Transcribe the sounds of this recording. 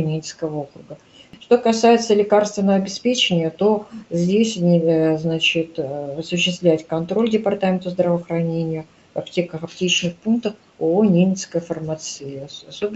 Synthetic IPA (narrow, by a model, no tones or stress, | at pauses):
nʲemʲɪt̪skəvəo̞kɾʊɡə | ʂt̪o̞kɐsajɪt̪səlʲɪkarst̪vʲɪnːəvəɐbʲɪspʲet͡ɕɪnʲɪjət̪o̞zʲdʲesʲnʲɪznat͡ɕɪt̪ɐsʊɕːɪst̪vlʲætʲkɐnt̪ɾo̞lʲdʲɪpɐrt̪amʲɪnt̪əzd̪ɾəvəxɾɐnʲenʲɪjə | vɐptʲe̞kəxɐp̚tʲet͡ɕnɨxpunk̚t̪əf | onʲemʲɪt̪skəjfərmat̪sɨsob